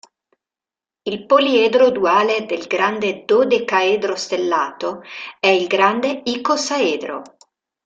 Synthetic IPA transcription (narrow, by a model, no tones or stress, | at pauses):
ilpolied̪ɾod̪uaːled̪elɡɾand̪ed̪od̪ekaed̪ɾost̪elːaːt̪oɛilɡɾand̪eikosaeːd̪ɾo̰